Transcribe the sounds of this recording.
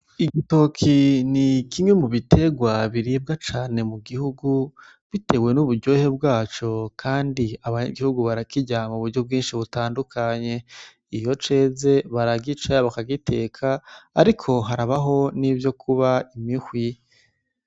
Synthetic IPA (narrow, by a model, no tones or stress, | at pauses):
iɡito̞kʰinikimŋe̞muβitʰe̞ɡwaβiɾib̚ɡat͡ʃaːne̞muɡihuɡu | βite̞we̞nuβuɾɟo̞he̞b̚ɡaːt͡ʃo̞kʰaːndiaβaaɡihuɡuβaɾakiɟamuβuɾɟo̞b̚ɡiːnʃiβutaːndukʰaɲe̞ | ijo̞t͡ʃe̞ːze̞βaɾaɡit͡ʃaβakaɡite̞kʰaːɾikʰo̞ɦaɾaβaɦo̞nivjo̞kʰuβaimihwi